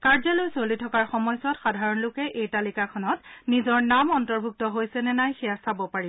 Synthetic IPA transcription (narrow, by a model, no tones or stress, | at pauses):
kaɹzalojsolitʰɔkaɹxɔmɔjsɔtxadʱaɹɔnlʊkɛʔejtalikakʰɔnɔtnizɔɹnamɔntɔɹbʱuk̚tɔɦojsɛnɛnajxiasabɔpaɹi